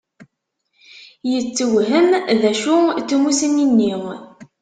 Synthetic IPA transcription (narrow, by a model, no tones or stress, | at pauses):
jət͡sːəwɦəmðæʃut͡sːumusəninːi